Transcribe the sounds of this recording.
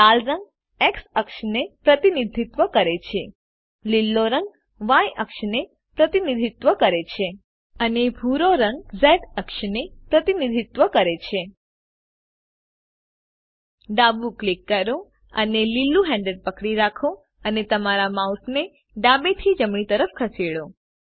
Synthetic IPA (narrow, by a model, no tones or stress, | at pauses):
t̪alɾə̃ŋɡ | eksəkʃnepɾət̪inid̪ʱit̪ʋəkəɾet͡ʃʰe | lilːoɾə̃ŋɡ | ʋãjʔəkʃne | pɾət̪inid̪ʱit̪ʋəkəɾet͡ʃʰe | ənebʱuɾoɾəŋɡ̚zɛʈəkʃnepɾət̪inid̪ʱit̪ʋəkəɾet͡ʃʰe | ɖabuklikːəɾõ | ə̰nelilːuɦɛ̃ɳɖəɖ̚pəkɽiɾakʰõ | ənet̪əmaɾamaut̪ʰne | ɖabet̪ʰid͡ʒəmɳ̃it̪əɾəfkʰəsiɽõ